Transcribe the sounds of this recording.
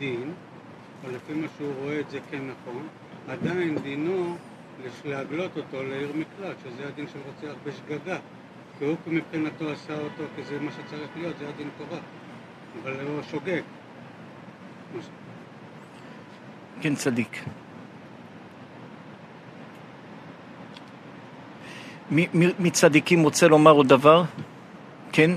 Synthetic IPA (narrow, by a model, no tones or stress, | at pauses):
d̪in | o̞lefimaʃeuʁo̞e̞ːtze̞kenːaχo̞n | ad̪aind̪ino | leleaɡlo̞t̪o̞t̪o̞leiʁmiklalʃezead̪inʃelʁot͡seaχbeʃɡaɡa | kiukimipχinato̞asao̞t̪o̞kizemaʃe̞t͡saʁiχlijo̞t̪zead̪intoʁa | avaloʃoɡeɡ | maʃ | kent͡sad̪ik | mimimit͡sad̪ikimʁot͡selo̞maʁod̪avaʁ | kʰen